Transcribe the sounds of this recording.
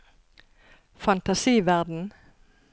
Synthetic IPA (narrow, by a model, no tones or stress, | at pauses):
fɑnt̪ɑsiːʋæʁd̪n̩